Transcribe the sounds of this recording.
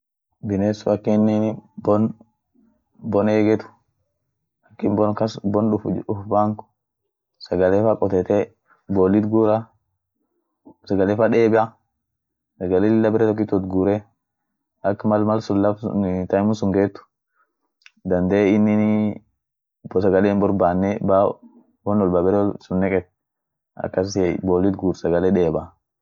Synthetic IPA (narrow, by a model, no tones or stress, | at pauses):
bɪnesʊɐkːɪnːɪnbɔn | bɔneːɡɛt̪ʊ̥ | ɐkːɪnbɔnkɐsbɔnɗʊʊfbaŋkʊ̥ | sɐɡɐlefakʼɔt̪ɛt̪ɛ | bɔlːɪt̪ɡuɾa | sɐɡɐlefaɗeːbɪa | sɐɡɐleɪlːɐbɪɾɛt̪ɔk̬ːɪt̪ːɔt̪ɡuːɾɛ | ʔɐkːmɐlmɐlsʊlːɐfnt̪ɐmʊsʊŋɡeːt̪ːʊ̥ | d̪ɐnd̪eːɪnːɪn | bsɐɡɐleːnbɔɾbaːnːɛba | wɔnɔlbaːbɛɾɛsʊnːɛkʼɛt̪̚ | ɐ̰kːɐsɛboːlːɪt̪ɡuːɾsɐɡɐlɛᶑeːba